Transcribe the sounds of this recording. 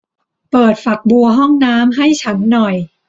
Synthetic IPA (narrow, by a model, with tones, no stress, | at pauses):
pɤː˨˩t̪̚fa˨˩k̚bu˧ɐɦɔ˥˩ŋnaː˦˥mɦa˥˩jt͡ɕʰa˦˥nːɔ˨˩j